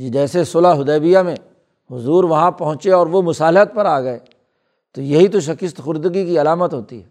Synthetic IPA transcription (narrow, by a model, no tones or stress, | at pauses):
d͡ʒid͡ʒɛːsesoːlaɦʊd̪ɛːbijamẽ | ɦʊzuːɾʋɐɦãpɐɦʊ̃t͡ʃeɔːɾʋomʊsaːlɪɦət̪̚pɐɾaːɡɐe | t̪ojɐɦit̪oʃ̬ɐkɪst̪xʊɾd̪ɡikiɐlaːmət̪ɦoːt̪iɦɛː